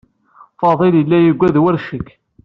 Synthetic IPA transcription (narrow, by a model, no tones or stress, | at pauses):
fɑðˤelilːæjəɡʷːæðwəɾʃəkː